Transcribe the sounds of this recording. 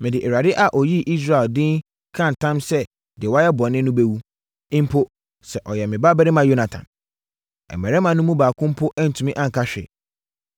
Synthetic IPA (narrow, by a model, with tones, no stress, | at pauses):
mɪ̃˨dɪ˨ʔe˨ɾa˨dɪ˦ʔa˨ʔɔ˨ji˦ʔi˦s̬ɾa˦˨e˨ldɪ̃˦n | kʰã˦˨n˨tʰã˦msɛ˦ | dɪ˨wa˦jɛ˦bɔ˨nɪ̃˦nʊ̃˦be˦wu˦ | ɪ̃˦m˦pʰo˦ | sɛ˨ʔɔ˨jɛ˨mɪ̃˨ba˦bɛ˦ɾɪ˦mã˨jo˦nã˨tʰã̰˨m | ɛ̰˨mːɛ˨ɾɛ˦mã˨nʊ̃˦mũ˦baː˨kʰʊ̃˦m̩˦pʰʊ˦ʔɛ˦n̩˨tʰũ˨mĩ˦ʔã˦ŋ̩˨kʰa˦ɕᶣɪ̰˨